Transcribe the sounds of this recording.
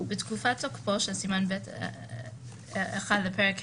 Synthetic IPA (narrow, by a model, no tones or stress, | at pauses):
betkufatokpoʃesimanbet | eχadlapeʁek